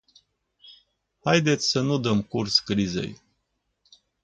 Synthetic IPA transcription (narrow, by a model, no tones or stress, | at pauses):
hajd̪e̞t̪sʲsənud̪əmkurskɾizḛj